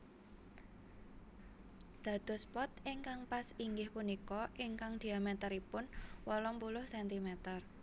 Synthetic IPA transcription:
d̪̥ä̤d̪̥ɔ̤spɔt̪ɪŋkaŋpasiŋɡɪhpunikɔʔɪŋkaŋd̪̥i̤amɛt̪əɾipʊnwɔlɔmpulʊhsɛnt̪imɛt̪ər

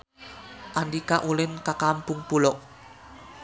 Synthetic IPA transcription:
ʔandikaʔulɪnkakampʊŋpulɔʔ̚

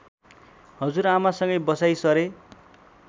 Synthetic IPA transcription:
hʌd͡zuɾamasʌŋɡʌjbʌsajsʌɾe

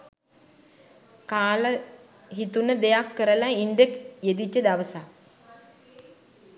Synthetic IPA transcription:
kaːlə | ɦit̪unəd̪ejakːəɾəlainɖekjed̪it͡ʃːəd̪aʋəsa

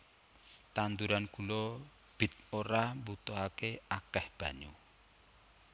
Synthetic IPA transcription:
t̪and̪uɾankulɔ | b̥i̤t̪̚oɾambut̪ɔɦakeakɛhb̥a̤ɲu

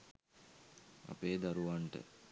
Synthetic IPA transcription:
a̰peːd̪aɾuʋaɳʈə̰

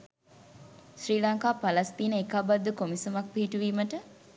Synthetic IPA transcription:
sriːlaŋkaːpɐlɐst̪iːnəekabad̪ːukomisɐmɐk̚piɦiʈuʋiːməʈə

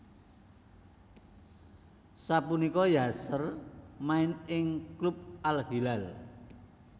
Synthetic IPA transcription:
sapunikɔjasərmaɪnɪŋklup̚alɦilal

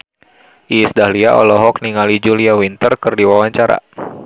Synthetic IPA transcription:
ʔisdahliaʔɔ̰lɔɦɔk̚niŋalid͡ʒuliawint̪ərkɨrdiwawaɲt͡ʃaɾa̰

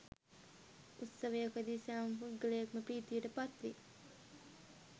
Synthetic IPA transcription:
ut̪səʋejakʋəd̪iːsaːmfuɡələjakməpriːt̪iːʈəpat̪ʋi

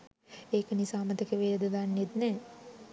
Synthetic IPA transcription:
eːkənisaːmət̪əkəʋeːɾəd̪əd̪anːet̪nɛ

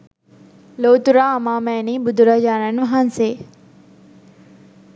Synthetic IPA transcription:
loːt̪ʊɾaɐmaːmɛːnibʊd̪ʊɾad͡ʒaːnənʋɐɦanseː

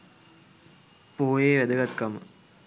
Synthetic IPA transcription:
poːjeːʋæd̪əɡɐt̪kɐmə̰

